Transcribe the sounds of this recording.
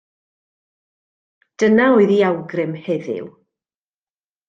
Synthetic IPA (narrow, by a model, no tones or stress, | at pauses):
d̥ənaɔɨðiawɡrɪmhɛðɪ̰w